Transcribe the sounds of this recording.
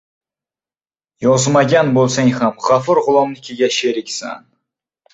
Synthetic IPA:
jɒzmaɡʲanbolˠsaŋhamχafɨɾʁʊlˠɒmnɪkʲʰeɡʲaʃeɾɪkʲsa̰n

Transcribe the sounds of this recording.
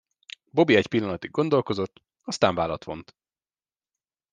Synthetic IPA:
bo̞biɛcpilːɒnɒt̪iɡɡo̞nd̪o̞lko̞zo̞t̪ː | ɒst̪aːɱvaːlɒt̪ʋo̞̰nt̪

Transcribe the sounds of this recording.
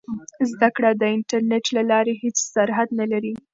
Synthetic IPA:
zd̪akɽad̪əɪnʈaɾneʈlalɑɾehet͡ssaɾɦad̪nalaɾi

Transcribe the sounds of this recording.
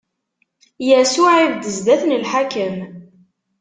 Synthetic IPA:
jæsʊʕivd̪əzd̪æθnəlħakəm

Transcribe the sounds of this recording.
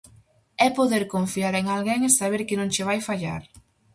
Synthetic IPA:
ɛpoðeɾkoɱfiaɾeŋalɣeŋesaβ̞eɾkɪnõŋt͡ʃɪβ̞ajfaʎa̰ɾ

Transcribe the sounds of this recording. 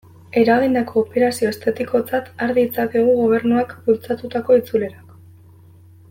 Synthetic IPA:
e̞ɾaɣind̪ako̞ːpe̞ɾasio̞est̪at̪iko̞t͡sat̪aɾðiːt͡sakeɣ̞uɣo̞β̞e̞ɾnuakbult͡sat̪ut̪ako̞it͡sule̞ɾak

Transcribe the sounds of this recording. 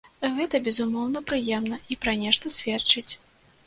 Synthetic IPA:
ɣɛt̪ɐbʲɛzumɔwn̪ɐpɾɨjɛmnɐipɾanʲɛʂt̪ɐsʲvʲɛt͡ʂɨt͡sʲ

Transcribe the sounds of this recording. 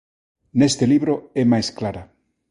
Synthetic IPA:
nest̪eliβɾoɛmajsklaɾa

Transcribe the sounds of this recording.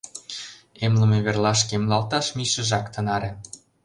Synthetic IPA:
emlə̆meβerlɑʃkemlɑlt̪ɑʃmiʃə̆ʒɑkt̪ə̆nɑɾʲĕ

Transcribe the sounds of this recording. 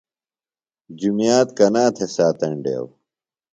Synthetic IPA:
d͡ʑumjaːt̪kɐnaːt̪ʰesaːt̪ɐɳɖḛːw

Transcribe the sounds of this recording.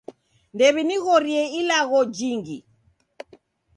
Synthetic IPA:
ndɛβiniɣɔɾiɛilaɣɔd͡ʒiŋɡi

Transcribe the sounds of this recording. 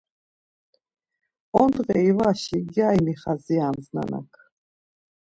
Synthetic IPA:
ɔnd̪ʁɛivaʃiɡjajmiχaziamzna̰na̰kʰ

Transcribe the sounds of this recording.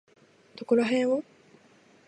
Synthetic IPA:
t̪okoɾoɦẽɰ̃o

